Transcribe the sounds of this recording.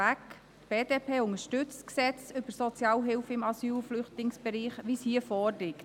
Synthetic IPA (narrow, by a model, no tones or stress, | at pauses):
æk | tb̥eːd̥eːpʰeːʊŋəʃtʏt͡sksɛt͡sʏb̥əsɔt͡sjɑːlɦɪlfəɪmɑsyːlflʏχtlɪŋsb̥ɛɾiːχʋishiːəfɔːrlɪkt